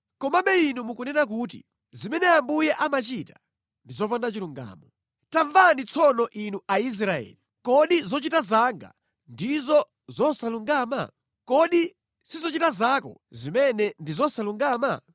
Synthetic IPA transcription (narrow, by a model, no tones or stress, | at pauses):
kɔmamɓɛinumukunɛnak̬uːt̬ḭ | zimɛnɛambujɛʔamat͡ʃitḁ | ndizɔpandat͡ʃiluŋɡa̰ːmɔ | taɱvanit͡sʰɔnɔʔinuais̬ɾaɛ̰ːli | kɔɗizɔt͡ʃitazaŋɡa̰ | ndizɔ | zɔsaluŋɡaːma̰ | kɔɗi | sizɔt͡ʃitazakɔ̰zimɛnɛndizɔsaluŋɡaːma